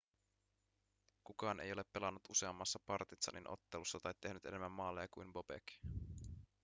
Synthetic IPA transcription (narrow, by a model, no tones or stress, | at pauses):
kukɑːnʔejo̞le̞pːe̞lɑnːut̪use̞ɑmːɑsːɑpɑrt̪it̪sɑ̰nʔinʔo̰t̪ːelusːɑt̪ɑjt̪e̞ɦnyt̪e̞ne̞mːæmːɑːlːejɑkujmbo̞bḛk